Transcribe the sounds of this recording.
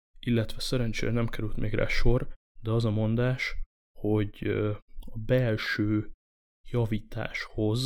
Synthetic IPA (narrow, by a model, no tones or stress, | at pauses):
ilːɛt̪ʋɛsɛɾɛnt͡ʃḛːɾɛnɛmkɛɾylt̪mʔeːɡra̰ːʃo̞r | d̪ɛɒzɒmo̞nd̪aːʃ | ho̞ɟ | ɒbɛlʃøː | jɒviːt̪a̰ːʃho̞z